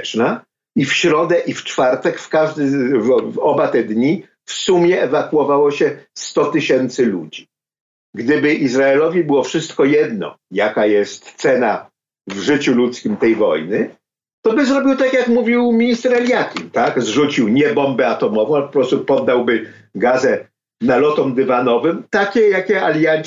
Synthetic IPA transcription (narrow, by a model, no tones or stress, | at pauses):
t͡ʂna | ifɕɾɔd̪ɛʔift͡ʂfaɾt̪ɛkfkaʐd̪ɘvvɔbat̪ɛd̪ɲi | fsumʲjɛʔɛvakuɔvawɔɕɛst̪ɔt̪ɘɕɛnt̪sɘlud͡ʑi | ɡd̪ɘbɘʔizɾaɛlɔvʲibɘwɔfʂɘst̪kɔjɛd̪nɔ̰jakajɛst̪t̪sɛna | vʐɘt͡ɕulut̪skʲimt̪ɛjvɔ̰jnɘ | t̪ɔbɘzɾɔbʲiwt̪akjakmuvʲiwmʲiɲist̪ɛɾalʲjakʲint̪aɡzʐut͡ɕiwɲɛbɔmbɛat̪ɔmɔvɔ̃w̃aɛpɔ̥pɾɔst̪upɔd̪ːawbɘ | ɡazɛ | nalɔt̪ɔmd̪ɘvanɔvɘmt̪akʲɛjakʲɛalʲjaɲ